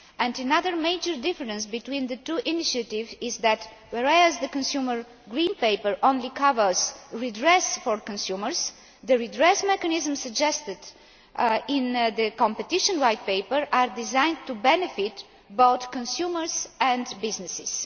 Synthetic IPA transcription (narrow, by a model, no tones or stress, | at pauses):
ɛ̃ndənaðəɾmeɪd͡ʒəɾd̪ɪfəɾə̃nsbit̪wĩnd̪ət̪uʔiniʃət̪ɪvɪzðæt̪ | wɛɾɛzd̪əkə̃nsjuməɹ | ɡɾĩnpeɪpəɹʔõnlikavəz̥ɹidɹɛsfɔɹkə̃nsjuməɹs | d̪əɾidɾɛsmɛkənizə̃msəɡd͡ʒɛst̪ɪd̪ | ɪ̃nd̪əkɔ̃mpɛt̪iʃə̃nɹajt̪̚peɪpəɾʔaɾd̪ɪzãj̃nt̪ːubɛnɛfɪt̪ | boʊθkə̃nsjuməɾzɛ̃nd̪bɪznɛsɪs